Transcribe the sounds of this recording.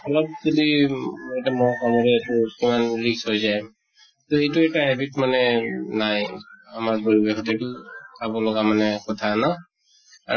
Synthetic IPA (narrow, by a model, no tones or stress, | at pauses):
ɔlɔp̚zɔdietamɔkamɔɹɛːtʊkimanɹiksojzaj | tɔejtʊɛtaɦɛbitmanɛnajamaɹpɔɹibɛxʰɔtetʊkʰabɔlɔɡamanɛkɔtʰana | a